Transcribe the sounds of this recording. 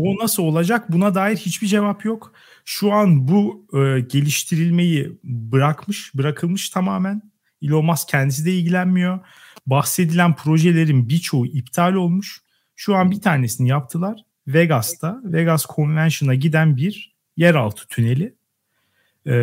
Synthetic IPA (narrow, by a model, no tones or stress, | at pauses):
o̞nasɯo̞lˠad͡ʒak̚bunad̪aːjiɾhit͡ʃbid͡ʒe̞vapjo̞k | ʃuanbuɟe̞lʲiʃt̪ʰiɾilʲme̞jibɯɾakmɯʃbɯɾakʰɯlˠmɯʃt̪ʰamaːmæn | ilʲo̞lˠmascʰɛnd̪is̬id̪ɛilʲɟilʲænmijo̞ | bahse̞d̪ilʲænpʰɾo̞ʒe̞lʲe̞ɾinbiɾt͡ʃʰo̞uʔip̚t̪ʰaːlʲo̞lˠmuʃ | ʃuanbit̪ʰaːɾne̞sinijap̚t̪ʰɯlˠaɾ̥ | veɡast̪ʰaveɡaskʰo̞nvænʃɯnaɟid̪ænbiɾ | jæɾa̰lˠt̪ʰɯ̥t̪ʰyne̞lʲɪ